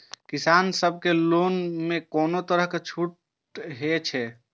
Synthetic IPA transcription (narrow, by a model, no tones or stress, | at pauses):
kisansəb̚ʱkelonmekoːnot̪əɾəɦket͡ʃʰuʈ | ɦet͡ʃʰɛ